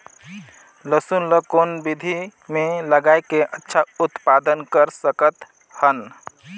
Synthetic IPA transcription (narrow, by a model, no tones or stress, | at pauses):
ləsunləkonbid̪ʱimeləɡaekeʔətːʃʰaut̪pad̪ənkəɾsəkət̪ | hən